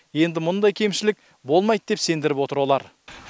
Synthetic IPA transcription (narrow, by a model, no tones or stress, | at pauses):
je̞nd̪ɪmʊnd̪ɑjkʲʰe̞mʃɪlɪk̚ | bo̞lˠmɑjt̪̚d̪e̞pse̞nd̪ɪɾɪpwo̞t̪əɾwo̞lˠɑɾ